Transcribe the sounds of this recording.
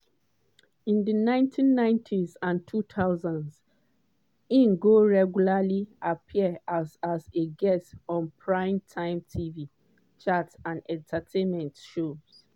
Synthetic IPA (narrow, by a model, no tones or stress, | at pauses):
ĩndənãɪ̃ntʰĩnːãɪ̃ntʰizãntʰutʰaʊzãnz | ĩnɡoɹɛɡjulaliʔapʰiazazeɡɛstɔ̃npʰɹãɪ̃mtʰãɪ̃mtʰivi | t͡ʃatãnɛ̃ntʰatʰẽnmɛ̃ntʃoz̥